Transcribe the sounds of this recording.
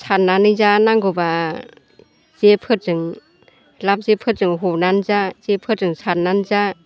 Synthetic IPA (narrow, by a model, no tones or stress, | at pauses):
sʰaɾnanɯzanaŋɡɔba | z̥epʰɯtzɯŋ | lap̚zepʰɯtzɯŋɦɔnanzaz̥epʰɯtzɯŋsʰaɾnanza